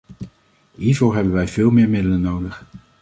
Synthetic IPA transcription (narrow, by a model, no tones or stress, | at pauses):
ɦiːɹvoːɹɦɛbənʋɛjvɪːlˠmɪːɹmɪdələnowdəχ